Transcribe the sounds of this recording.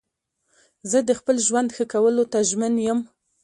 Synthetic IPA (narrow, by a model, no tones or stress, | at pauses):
zəd̪əxpəlʒwand̪xəkawəlot̪aʒmənjəm